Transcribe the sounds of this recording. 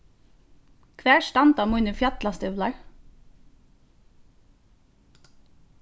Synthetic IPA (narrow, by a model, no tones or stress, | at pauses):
kʰʋæːʃʈɑnt̪ɑːmʉnəfjɑt̪lɑst̪ʏʋlɑɹ